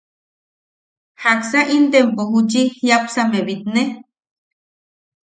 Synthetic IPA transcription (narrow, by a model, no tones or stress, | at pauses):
haksaʔind̪empoɦut͡ʃihjapsameβit̪̚ne